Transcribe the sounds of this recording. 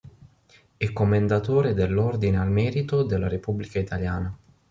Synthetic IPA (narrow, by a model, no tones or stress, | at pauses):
ɛkːomend̪at̪oːɾed̪elːord̪inealmɛːɾit̪od̪elːaɾepubːlikait̪aljaːna